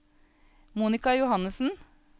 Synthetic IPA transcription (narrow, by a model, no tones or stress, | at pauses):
muːnɪkɑjʊhɑnəsn̩